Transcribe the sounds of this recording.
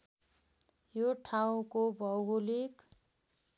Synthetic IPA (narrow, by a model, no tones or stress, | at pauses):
joʈʰaw̃kobʱʌwɡulik